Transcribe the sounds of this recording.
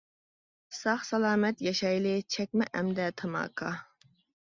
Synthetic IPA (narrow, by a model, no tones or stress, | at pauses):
sɑχsɑlˠɑːmɛt̪jɛʃɑjlɪt͡ʃʰɛkʲmɛʔɛmd̪ɛt̪ʰɑmɑ̰ːkʰɑ